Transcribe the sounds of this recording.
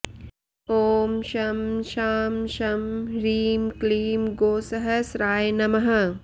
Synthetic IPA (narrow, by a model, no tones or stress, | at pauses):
oːmʃɐmʃaːmʃɐmɾiːmkliːmɡoːsɐɦɐsɾaːjnɐmɐɦɐ